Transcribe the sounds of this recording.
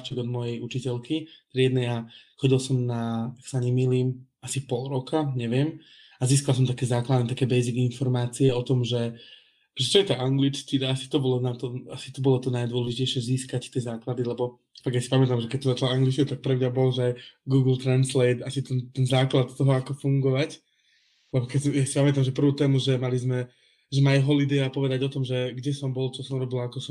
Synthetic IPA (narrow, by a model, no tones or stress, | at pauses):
t͡ʃɛɡɔd̪mɔjɛjut͡ʃicɛlkit̪ɾɪɛd̪nɛjaxɔɟilsɔmnaaksaɲɛmiːliːm | asipɔlˠɾɔkʰaɲɛʋɪɛm | aziːskals̬ɔmt̪akɛːzaːklad̪nɛt̪akɛːbɛjziɡinfɔɾmaːt͡siɛɔt̪ɔmʒɛ | ʒɛt͡ʃɔjɛt̪aʔaŋɡlit͡ʃkiasi̥t̪ɔbɔlɔnat̪ɔasi̥t̪ɔbɔlɔt̪ɔnajd̪wʊɔlɛʒicɛɪʃɪɛziːskact̪ɪɛzaːklad̪ilɛbɔ | faɡjasi̥pamɛt̪amʒɛkɛc̚t̪ɔzat͡ʃalaaŋɡlit͡ʃkɛt̪ak̚pɾɛmɲabɔlʒɛajɡuːɡl̩ˠt̪ɾanslɛɪt̪asit̪ɛnt̪ɛnzaːklat̪t̪ːɔɦɔakɔfuŋɡɔʋac | lɛbɔkɛjasi̥pamɛt̪amʒɛpr̩ʋuːt̪ɛːmuʒɛmalizmɛ | ʒɛmalɦɔlid̪ɛapɔʋɛd̪aɟɔt̪ɔmʒɛɡɟɛsɔmbɔlt͡ʃɔsɔmɾɔbilakɔsɔ